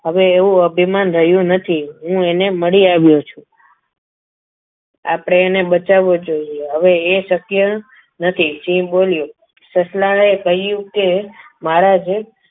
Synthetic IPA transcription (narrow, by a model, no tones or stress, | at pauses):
ɦəʋeːʋũəbʱimanɾəɦjũnət̪ʰiɦũeneməɭiaʋjot͡ʃʰũ | a̰pɽ̃eːneɓət͡ʃaʋod͡ʒoieɦəʋeːʃəkjə | nət̪ʰit͡ʃĩboljũ | səslaɭekəɦijũke | maɾad͡ʒe